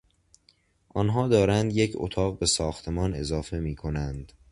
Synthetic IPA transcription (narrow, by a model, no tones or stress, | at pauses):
ʔɒnɦɒːd̪ɒːɾænd̪jecʰo̰t̪ʰɒːɣbe̞sɒːxt̪ʰe̞mɒːne̞zɒːfe̞miːkʰo̞nænd̪̥